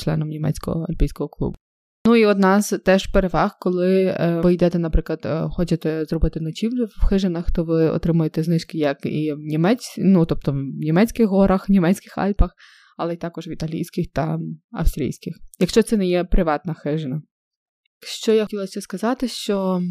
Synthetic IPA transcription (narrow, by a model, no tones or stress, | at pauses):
t͡ʃlˠɛ̰nɔmnʲimɛ̰t͡sʲkɔ̰ɦɔ̰ɐ̰lʲpʲijsʲkɔɦɔklˠṵbʊ | nuiɔd̪nɑst̪ɛʒpeɾeʋɑxkɔlˠɪʋɪjd̪ɛt̪ɛnɐpɾɪklˠɐd̪xɔt͡ʃet̪ɛzrɔbɪt̪ɪnɔt͡ʃʲiwwxɪʒenɐxt̪ɔʋɪɔ̰t̪ɾɪmʊjet̪ɛznɪʃkɪjɐkḭwnʲimɛnut̪ɔp̚t̪ɔwnʲimɛt͡sʲkɪxɦɔɾɐxnʲimɛt͡sʲkɪxɑ̰lʲpɐx | ɐlˠɛt̪ɑkɔʒʋʲit̪ɐlʲḭjsʲkɪxt̪ɐ̰ɐ̰wst̪ɾʲḭjsʲkɪxjɐkʃt͡ʃɔt̪sɛnɛjɛpɾɪʋɑt̪nɐxɪʒɪnɐ | kʃt͡ʃɔjatʲilˠɐsʲɛskɐzɑt̪ɪʃt͡ʃɔ